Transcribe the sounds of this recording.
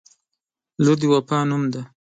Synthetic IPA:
lud̪iwapanumd̪a

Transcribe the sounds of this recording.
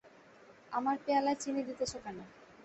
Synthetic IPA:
amaɾpealaet͡ɕined̪it̪eʃokane

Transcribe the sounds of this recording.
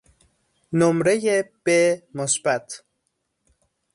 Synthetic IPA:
nomɾejeb̥emosbæt̪ʰ

